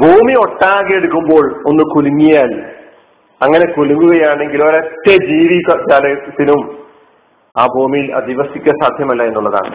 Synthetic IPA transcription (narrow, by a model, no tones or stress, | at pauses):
bʱuːmio̞ʈːaːɣɐeɽukːumbo̞ːɭo̞nːɨkuluŋːijaːl | ɐŋːɐne̞kuluŋːuɣɐjaːɳe̞ŋɡiloɾɐt̪ːed͡ʑiːʋikːɐd͡ʑaːlɐɣɐt̪ːinum | aːbʱuːmijilɐ̰d̪iʋɐsikʲːɐsaːd̪ʱjɐmɐlːɐe̞nːuɭːɐða̰ːɳɨ̰